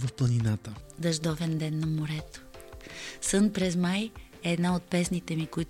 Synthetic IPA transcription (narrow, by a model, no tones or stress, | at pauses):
vəfplˠəninat̪əd̪ɐʒd̪ɔvɛnd̪ɛnːɐmoɾɛt̪o̥ | sɤnpɾɛzmaj | ɛːd̪naot̪̚pɛsnit̪ɛmikʊit̪